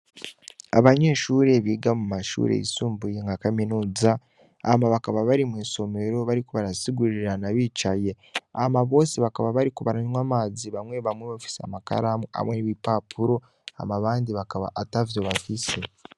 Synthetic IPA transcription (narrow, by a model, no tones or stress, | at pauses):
a̰βaɲe̞ːʃuːɾe̞βiːɡamumaʃṵɾḛḭsuːmbuje̞ŋɡakaminuːza | a̰maβakaβaβaɾimwiːnso̞me̞ɾo̞βaɾikuβaɾasiɡuɾiɾanaβiːt͡ʃaje̞ | amaβo̞ːseβakaβaβaɾikuβaɾaɲwamaːziβamwe̞βamweβafi̥sia̰maka̰ɾamwea̰mweniβipapʰuɾo̞ | a̰maβaːndiβakaβa̰ʔatavjo̞βafise